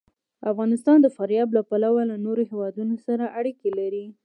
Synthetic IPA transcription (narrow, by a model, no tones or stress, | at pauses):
afɣɑnɪst̪ɑnd̪əfaɾjɑblapalawalanoɾoɦewɑd̪unosaɾaʔaɽikelaɾi